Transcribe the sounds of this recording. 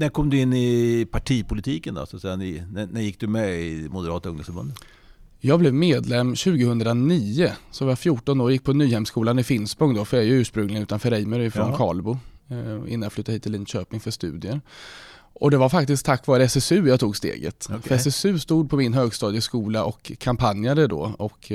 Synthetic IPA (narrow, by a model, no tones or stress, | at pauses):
næɾkʰɔmd̪ɵɪnːɪpʰaʈʰiːpʰʊlɪt̪ʰiːkənd̪ɔ̰sat̪sɛjannænæjɪk̚ːd̪ɵmɛɪmʊd̪əɾɑːt̪ɵŋd̪əsfbɵ̰nd̪ə | jɑːɡblɛvmeːd̪lɛmːɕʉ̟ːɡəhɵnd̪ɾaniːʊsɔvɑjafjuːʈɔnoːɾjɪk̚ːpʰɔnyːhɛmskuːlanɪfɪnsbɔŋd̪ɔfœɾɛɾjɵʉ̟ːʂpɾɵŋlɪɡaʉ̟t̪anfœɾɛjməɾɪfɾɔnkʰɑ̰ːlbʊ | ɪ̰nːanjaflʏt̪ːaɾiːt̪ːɪliːnɕøːpnɪŋfœʂt̪ʉ̟̰ːd̪ɪəɾ | ʔɔd̪ɛvaɾfakt̪ɪsk̚t̪ʰakːvɑːɾəɛsɛsʉ̟ːjɑt̪ʰuːɡst̪ḛːɡə̰t̪fœɾɛsɛsʉ̟ːst̪uːd̪̚pʰɔmɪnɦøːɡst̪ɑːd̪ɪəskuːlaʔɔkʰːampʰanjad̪əd̪ɔ̰ɔk